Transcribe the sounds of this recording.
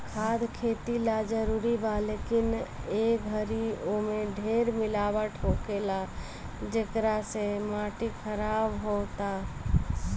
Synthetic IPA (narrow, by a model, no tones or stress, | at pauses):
kʰaːd̪kʰet̪ilad͡ʒəɾuɾibalekineɡʱəɾiomeɖʱeɾmɪlabəʈʰɦokela | d͡ʒekɾasemaʈikʰəɾaːbɦot̪a